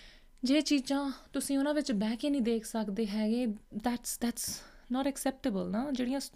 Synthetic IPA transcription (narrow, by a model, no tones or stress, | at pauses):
d͡ʒeːt͡ʃiːd͡ʒãːt̪ʊsĩːʊnãːʋɪt͡ʃbɛːkẽːnĩːd̪eːkʰsəkd̪eːɦɛːɡeːd̪ɛːʈsd̪æːʈs | nɔːʈɛksɛːp̚ʈɪbəlnaːd͡ʒeːɽijãː